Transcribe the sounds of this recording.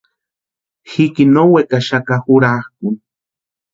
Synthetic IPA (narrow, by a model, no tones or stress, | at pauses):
xikinowekaʃakaxuɾaxk̚un